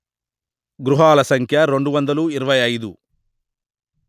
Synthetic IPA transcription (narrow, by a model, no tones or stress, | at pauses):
ɡɾuɦaːlɐsɐŋkʰjɐɾe̞ɳɖuʋɐnd̪ɐluiɾɐʋɐjɐjd̪u